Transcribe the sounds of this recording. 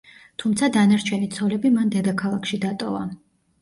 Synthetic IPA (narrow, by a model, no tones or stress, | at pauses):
t̪ʰumt̪sʰad̪anaɾt͡ʃʰɛnit̪sʰɔlɛbimand̪ɛd̪akʰalˠakʃid̪at̪ʼɔva̰